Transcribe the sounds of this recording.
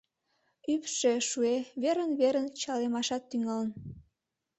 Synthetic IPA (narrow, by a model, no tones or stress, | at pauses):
ypʃeʃueβeɾənβeɾənt͡ɕɑlemɑʃɑt̪ːyŋɑlən